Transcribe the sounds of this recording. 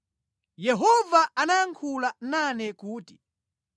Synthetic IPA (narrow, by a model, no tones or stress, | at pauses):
jɛɦɔvaanaaŋkʰulananɛkuːti̥